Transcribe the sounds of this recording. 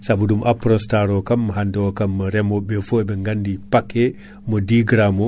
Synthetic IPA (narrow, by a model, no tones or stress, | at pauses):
sabudumʔapɾɔnstaɾɔkamːaɦandɛɔkamːaɾɛmɔbɛfɔɛbɛŋɡandipakːɛ | mɔdiɡɾamɔ